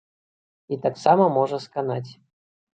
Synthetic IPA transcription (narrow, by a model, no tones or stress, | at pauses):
it̪aksɑməmoʐəskanat̬ʲ